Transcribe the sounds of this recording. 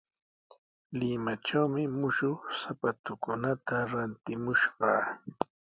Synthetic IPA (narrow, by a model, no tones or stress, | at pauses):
lɪmaʈ͡ʂawmɪmʊʃʊsapat̪ʊkʊnat̪aɾant̪ɪmʊʃɢɑː